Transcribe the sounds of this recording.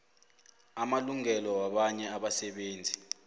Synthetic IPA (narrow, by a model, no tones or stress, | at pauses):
amaluŋɛlɔwaɓaɲɛaɓasɛɓeːnd͡zʱi